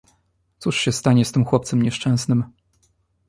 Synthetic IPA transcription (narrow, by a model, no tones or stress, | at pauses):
t̪suʂɕɛst̪aɲɛst̪ɘmxwɔpt̪sɛmɲɛʂt͡ʂɛ̃w̃snɘm